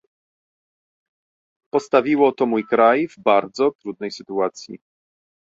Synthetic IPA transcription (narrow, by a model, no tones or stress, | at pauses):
pɔst̪avʲiwɔt̪ɔmujkɾajvbaɾd̪zɔt̪ɾud̪nɛjsɘt̪uat̪sʲjḭ